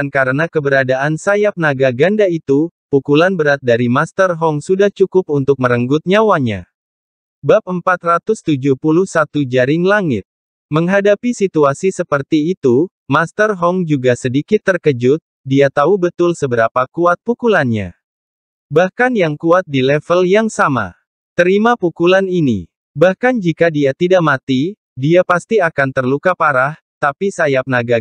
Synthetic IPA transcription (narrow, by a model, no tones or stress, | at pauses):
ankaɾənakəbəɾadaʔansajap̚naɡaɡandait̪upukulanbəɾat̪̚daɾimast̪ərɦɔŋsudaht͡ʃukʊp̚unt̪ʊk̚məɾəŋɡʊt̪̚ɲawaɲa̰ | bap̚əmpat̪rat̪ʊst̪ud͡ʒupuluhsat̪ud͡ʒaɾɪŋlaŋɪt̪̚ | məŋɦadapisit̪uasisəpərt̪iːt̪u | mast̪ərɦɔŋd͡ʒuɡasədikɪt̪ːərkəd͡ʒʊt̪̚ | diat̪aubət̪ʊlsəbəɾapakuat̪̚pukulanɲa̰ | bahkanjaŋkuat̪̚dilɛfəljaŋsama̰ | t̪əɾimapukulaninḭ | bahkand͡ʒikadiat̪idaʔmat̪i | diapast̪iakant̪ərlukapaɾah | t̪apisajap̚naɡa